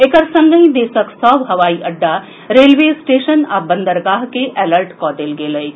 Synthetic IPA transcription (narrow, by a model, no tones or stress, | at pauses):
ekəɾsɐ̃ŋɡəĩd̪eːsəksɔːʋɦɐʋaːiʔɐɖːa | ɾeːlʋeːsʈeːʃənabə̃nd̪əɾɡaːɦkeʔʔɛːləɾʈkɔːd̪elɡeːləi